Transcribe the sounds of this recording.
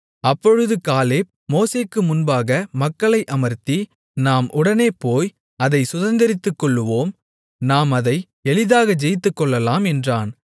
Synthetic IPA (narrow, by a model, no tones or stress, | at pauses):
ɐpːɔɻɯðɯkaːleː | moːseːkːɯmʊnbaːɣɐmɐkːɐɭɐɪʔɐmɐɾt̪i | naːmʔʊɽɐneːpoːj | ɐðɐɪsʊðɐnd̪ɐɾɪt̪ːɯkːɔɭːɯʋoːm | naːmɐðɐɪ | ɛlɪðaːɣɐd͡ʒɛjɪt̪̬ːɯkːɔɭːɐlaːmɛndraːn